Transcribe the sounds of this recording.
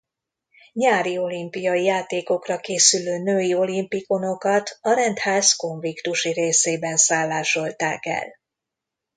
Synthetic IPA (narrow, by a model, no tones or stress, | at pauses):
ɲaːɾio̞limpijɒijaːt̪eːko̞krɒkeːsyløːnøːio̞limpiko̞no̞kɒt̪ʰɒɾɛnt̪haːsko̞ɱvikt̪uʃiɾeːseːbɛnsaːlːaːʃo̞lt̪aːkɛ̰l